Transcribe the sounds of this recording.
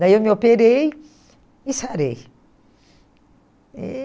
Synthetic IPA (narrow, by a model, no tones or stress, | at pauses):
d̪aiwmiopeɾej | isaɾei | e